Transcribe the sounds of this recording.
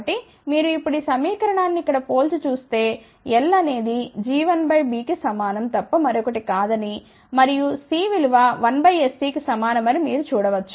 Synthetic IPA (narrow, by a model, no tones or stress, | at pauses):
ʈi | miːɾuipːuɽisɐmiːkɐɾɐɳaːnːiːkːɐɽɐpo̞ːlt͡ʃut͡ʃuːst̪e̞ː | ɛlːɐne̞ːd̪id͡ʒiːʋɐnbɐjbiːkisɐmaːnɐmt̪ɐpːɐmɐɾɔkɐʈikaːd̪ɐni | mɐɾijusiːʋiluʋaːʋɐnbɐjesːiːkisɐmaːnɐmɐɾimiːɾut͡ʃuːɽɐʋɐt͡ʃːu̥